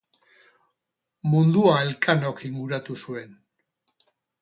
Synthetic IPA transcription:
mund̪uaelkʰano̞kiŋɡuɾat̪usue̞n

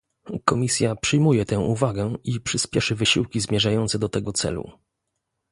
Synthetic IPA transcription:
kɔmʲisʲjapʂɘjmujɛt̪ɛ̃w̃ʔuvaɡɛipʂɘspʲjɛʂɘvɘɕiwkʲizmʲjɛʐajɔnt̪sɛd̪ɔt̪ɛɡɔt̪sɛ̰lṵ

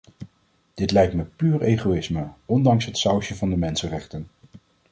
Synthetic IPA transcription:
d̥ɪtlɛjktməpyːɹejχoɪsməɔndɑŋsɦətsɑwʃəvɑndəmɛnsənrɛχtən

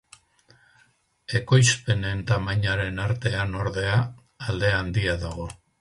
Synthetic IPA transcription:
e̞ko̞jspe̞ne̞nt̪amaɲaɾe̞naɾt̪e̞ano̞ɾðe̞aː | ld̪e̞and̪iaðaɣ̞o̞

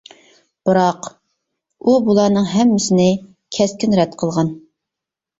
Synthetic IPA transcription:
b̥ɨɾɑq | ubulˠɑnɨŋɦɛmːɪsɪnɪ | kʲʰɛskʲynɾɛt̪qʰəlˠʁɑn

